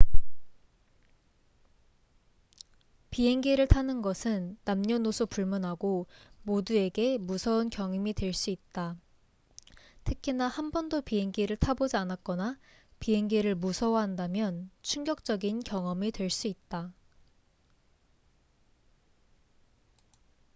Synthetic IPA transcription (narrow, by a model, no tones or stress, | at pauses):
piɦe̞ŋɡeɾɯɭtʰanɯnɡʌsʰɯnːamɲʌnosʰopuɭmunɦaɡomodue̞ɡe̞musʰʌunkjʌŋimitwe̞ɭs͈uit̚t͈a | tʰɯkʰinahambʌndopiɦe̞ŋɡeɾɯɭtʰabod͡ʑianak̚k͈ʌna | piɦe̞ŋɡeɾɯɭmusʰʌwaɦandamjʌnt͡ɕʰuŋɡjʌk̚t͡ɕ͈ʌɡinkjʌŋʌmitwe̞ɭs͈uit̚t͈a